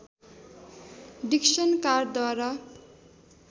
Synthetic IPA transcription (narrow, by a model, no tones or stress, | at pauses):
ɖiksʌnkard̪waɾʌ